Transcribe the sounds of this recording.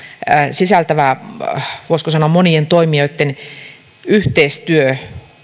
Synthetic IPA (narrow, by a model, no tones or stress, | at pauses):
sisælt̪æʋæ | ʋoˑiskosɑnoɑmonient̪oimioit̪ːen | yht̪eist̪yø